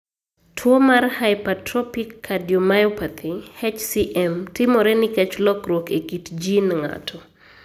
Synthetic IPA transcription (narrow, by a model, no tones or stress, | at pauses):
tʰwomarhajpatɾɔpikːadjɔmajɔpat̪ʰihɛt͡ʃsiʔɛmtɪmɔɾɛnɪkɛt͡ʃlɔkɾwokekitd͡ʒinŋa̰tʰɔ